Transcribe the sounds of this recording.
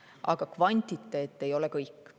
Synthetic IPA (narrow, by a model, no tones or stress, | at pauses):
ʔɑ̰ɡ̥ɑkvɑnʲt̪ʲˑit̪ːˑeːt̪ːˑe̞jo̞lɛkɤjkːˑ